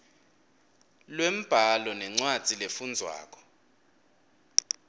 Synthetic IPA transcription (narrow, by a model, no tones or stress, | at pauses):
lwem̩b̥ʱalɔnɛŋ͡ǀwḁd͡z̥ʱilefund͡zʱwa̰ːk̬ʼɔ̥